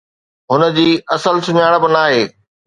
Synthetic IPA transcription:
ɦʊnə̆d͡ʑiːɐsəlsʊɲaːɽ̃bɪnaːɦeː

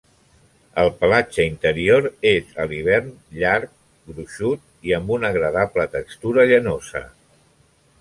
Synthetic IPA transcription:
əlˠpəlat͡ʃəint̪əɾioɾezəliβ̞ɛrnʎaɾk̚ | ɡɾuʃut̪̚iəmbunəɣɾəðaplət̪əkst̪uɾəʎənozə̰

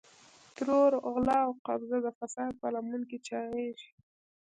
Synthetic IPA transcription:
t̪ɾoɾɣlɑwqabzad̪əfasɑːd̪̚palamuŋkit͡ʃɑɣeʃ

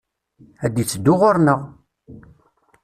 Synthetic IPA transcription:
æd̪it͡sːd̪ːʊʁʊɾnəʁ

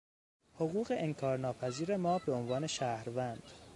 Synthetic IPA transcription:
hoɣuːɣe̞ʔeŋkʰɒːɾnɒːpʰæziːɾe̞mɒːbe̞onvɒːne̞ʃæhɾvænd̪̥

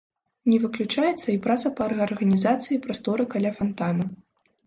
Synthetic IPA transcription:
nʲɛvɨklʲut͡ʂajɛt̪sːɐipɾat̪sɐpɐːrɣɐɐrɣɐnʲizat̪sɨjipɾast̪ɔɾɨkalʲafɐnt̪anɐ

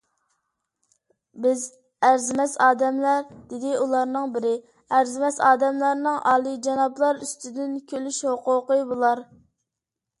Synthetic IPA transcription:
bɪz | æɾzɪmɛsɑːd̪ɛmlæɾd̪ɪd̪ɪulˠɑɾnɨŋbɪɾɪ | æɾzɪmɛsɑːd̪ɛmlæɾnɨŋʔɑːlˠid͡ʒɑnɑplˠɑɾyst̪ʰɪd̪ɪnkʲʰølyʃhoqoqəbolˠɑɾ

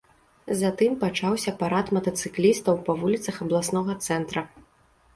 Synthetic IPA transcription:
zat̪ɨmpat͡ʂawsʲɐpaɾat̪mɐt̪ɐt̪sɨklʲist̪ɐwpɐvulʲit̪sɐxɐblˠasnɔɣɐt̪sɛnt̪ɾɐ

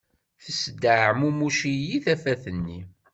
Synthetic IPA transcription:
θəsd̪aʕmumuʃijiθæfæθənːi

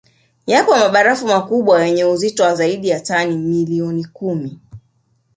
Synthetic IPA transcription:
japɔmaɓaɾafumakuɓwajɛɲɛuzitɔwazaiɗijatanimiliɔnikumi

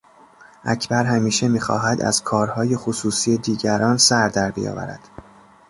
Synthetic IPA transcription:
ʔæcʰbæɾɦæmiːʃe̞miːxɒ̰ːɦæd̪æ̰z̥kʰɒːɾhɒːje̞xosuːsiːed̪iːɟæɾɒːnsæɾd̪æɾbḭjɒ̰ːvæ̰ɾæ̰d̪̥

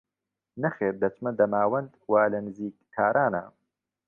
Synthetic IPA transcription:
nɐxeːɾd̪ɐt͡ʃmɐd̪ɐmaːwɐnd̪waːlɐnɨziːk̚t̪ʰaːɾʔaːnɐ̰

